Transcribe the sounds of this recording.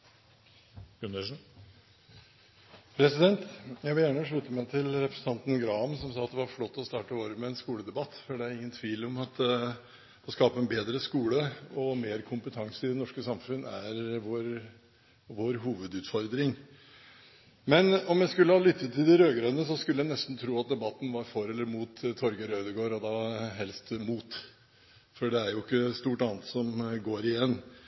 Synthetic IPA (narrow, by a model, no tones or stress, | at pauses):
ʉnə | pʰɾɛsɪd̪ɛnt̪jæɪʋɪljæːɳəʂɭʉt̪ːəmæɪt̪ʰɪlɾɛpɾəsən̩t̪ɑnt̪n̩ɡɾɑːmsɔmsɑːɑt̪̚d̪ɛʋɑɾflɔt̪ːɔst̪ɑːʈəoːɾəmɛːnskuːləd̪ɛbɑt̪ːfɔɖɛæɾɪŋːənt̪ʰʋiːlɔmɑt̪ | ɔskɑːpəɛnbeːd̪ɾəskuːləɔmeːɾkʰʊmpət̪ʰɑŋsəɪd̪ɛnɔʂkəsɑmfʉnːæɾʋoːɾ | ʋoːɾɦuːʋəd̪ʉːt̪fɔɾd̪ɾɪŋ | mɛnɔmjæɪskʉlːəhɑlʏt̪ʰːət̪ːɪld̪ɪɾøːɡɾɑːd̪ənəs̬ɔskʉləjænɛst̪n̩t̪ʰɾuːɑt̪̚d̪ɛbɑt̪ːn̩ʋɑɾfɔɾɛlːəɾmuːt̪t̪ʰːɔɾɡəɾœʏd̪əɡoːɾɔd̪ɑːɦɛlst̪muːt̪ | fɔɖɛæɾjʊɪkːəst̪uːʈɑːnət̪sɔmɡoːɾɪjɛnː